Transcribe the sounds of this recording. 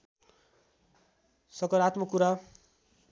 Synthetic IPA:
sʌkʌɾat̪mʌkuɾa

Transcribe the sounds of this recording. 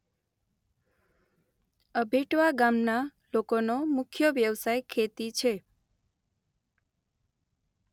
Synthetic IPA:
əbʱeʈʋaɡamnalokonomʊkʰjoʋjəʋsajkʰet̪it͡ʃʰe

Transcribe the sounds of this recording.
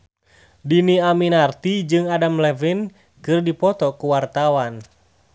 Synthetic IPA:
diniaminart̪id͡ʒɨŋadamlɛvin | kɨrdipɔt̪ɔkuwart̪awan

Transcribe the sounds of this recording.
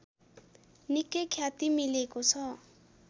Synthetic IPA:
nikːʌjkʰjat̪imilekot͡sʰʌ

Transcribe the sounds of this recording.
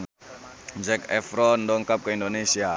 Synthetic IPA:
d͡ʒɛkɛfɾɔndɔŋkap̚kəindonesia

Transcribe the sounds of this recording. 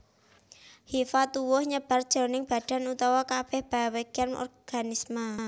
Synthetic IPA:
hifat̪uwʊhɲəb̥a̤rd̥ʒ̥ɔ̤nɪŋb̥a̤d̥a̤nut̪awakab̥ɛhb̥aweɡ̥anɔ̰rɡ̥anisma

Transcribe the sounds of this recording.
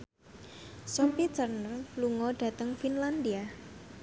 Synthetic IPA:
sɔpit͡ʃərnərluŋɔɖ̥ä̤t̪əŋfinland̪ia

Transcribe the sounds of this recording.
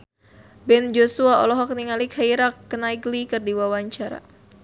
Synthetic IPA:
bɛnd͡ʒosuaɔ̰lɔɦɔk̚niŋalikhaiɾakːənaiɡlikɨrdiwawaɲt͡ʃaɾa̰

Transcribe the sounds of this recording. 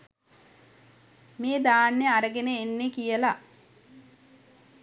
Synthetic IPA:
meːd̪aːnːeaɾəɡeneːnːekijəla

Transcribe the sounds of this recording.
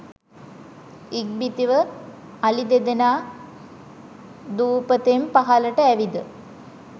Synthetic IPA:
ik̚bit̪iʋə | alid̪ed̪enaː | d̪uːpət̪empaɦaləʈəæʋid̪ə

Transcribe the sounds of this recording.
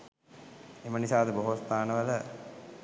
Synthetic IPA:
emənisaːd̪əboɦost̪aːnəʋələ

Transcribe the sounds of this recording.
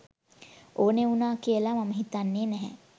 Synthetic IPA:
oːneunaːkiəlamaməɦit̪anːeːnɛɦɛ̰

